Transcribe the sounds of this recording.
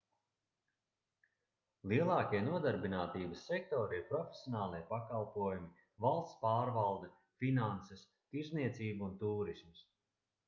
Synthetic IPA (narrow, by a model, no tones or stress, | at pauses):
lˠiɛlˠɑːkʲiɛnuɔd̪aɾbinaːt̪iːbəsːɛk̚t̪ɔːɾiɾpɾɔfʲe̥sʲjɔnaːlˠiɛpakalˠpuɔjumi | valˠst̪spaːɾvalˠd̪ɛ | finansɛs | t̪iɾzniɛt̪siːbuunt̪uːɾisms